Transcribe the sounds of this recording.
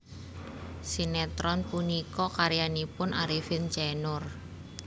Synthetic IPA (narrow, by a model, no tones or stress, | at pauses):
sinɛt̪ɾɔnpunikɔkaɾjanipʊnʔaɾifint͡ʃɛnʊr